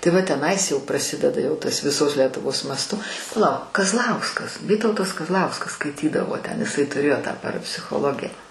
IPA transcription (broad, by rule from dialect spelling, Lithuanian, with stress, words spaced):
tɐɪ ˈʋɐ tʲɛˈnɐɪs jɛʊ prɐˈsʲɪdʲɛdɐ jɛʊ ˈtɐs ʋʲɪˈsoːs lʲɛtʊˈʋoːs mɐsˈtʊ pɐˈlˠɐʊk kɐzˈlˠɐʊskɐs ˈʋʲiːtɐʊtɐs kɐzˈlˠɐʊskɐs skɐɪˈtʲiːdɐʋoː tʲɛn ɪˈsɐɪ tʊˈrʲeːjoː tɑː pɐrɐpʲsʲɪxoːˈlˠoːɡʲɪjɛ